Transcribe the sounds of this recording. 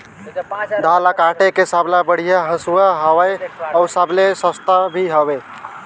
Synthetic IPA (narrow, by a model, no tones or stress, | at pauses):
d̪ʱalakaʈekesablabəɽ̤ijaɦəsuaɦəwəjəwsablesəst̪abʱiɦəbe